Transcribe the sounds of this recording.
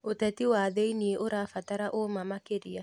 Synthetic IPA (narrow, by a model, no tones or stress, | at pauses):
otɛtiwaðeinieʔoɾafataɾaʔomamakeɾia